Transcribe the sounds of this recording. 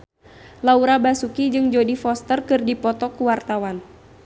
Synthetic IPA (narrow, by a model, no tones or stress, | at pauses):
lauɾabasukid͡ʒɨŋd͡ʒodifɔst̪ərkɨrdipɔt̪ɔkuwart̪awan